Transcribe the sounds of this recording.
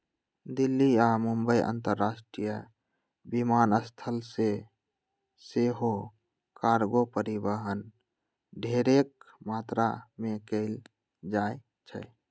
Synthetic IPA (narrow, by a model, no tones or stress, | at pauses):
d̪ilːiamumbəiʔə̰nt̪əɾːasʈɾijə | bimanəst̪ʰəlse | seɦo | kaɾɡopəɾibəɦən | ɖʱeɾek̚mat̪ɾa̰mekəɪl | d͡ʒae | t͡ʃʰə̰